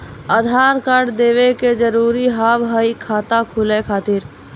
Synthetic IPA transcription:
ad̪ʱaːɾkaɖd̪eːʋeked͡ʒəɾuːɾiɦabɦəikʰaːt̪akʰulekʰaːt̪iɾ

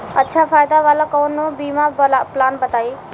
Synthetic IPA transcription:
ɐtːʃʰafaːjd̪aʋaːlakɔːnːõbiːmablplaːnbɐt̪aːiː

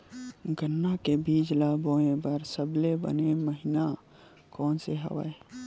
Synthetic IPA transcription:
ɡʱənːakebʱiːd͡ʒlaboːẽbəɾsəblebə̰neməɦina | kɔːnseɦə̰ʋə̰e

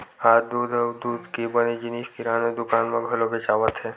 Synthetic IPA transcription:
aːd̪uːd̪əd̪uːd̪kibəned͡ʒɪniʃkiɾaːned̪ʊkaːnmẽɡʱɐlobʱɛt͡ʃaːʋət̪ɦɛː

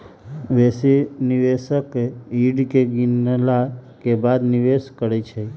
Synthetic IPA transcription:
ʋesiniʋeʃəkiɖkeɡinlakebad̪niʋeskəɾet͡ʃʰe

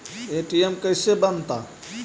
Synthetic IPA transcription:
eʈiemkəjsebənt̪a

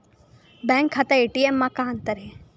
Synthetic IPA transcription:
bɛ̃ːŋkʰːat̪aeːʈiemːãkãɐ̃nt̪əɾɦɛ

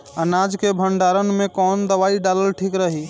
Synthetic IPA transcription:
ənad͡ʒkebʱəɳɖaɾənmekɔnd̪əβaiɖaləlʈʰikɾəɦi

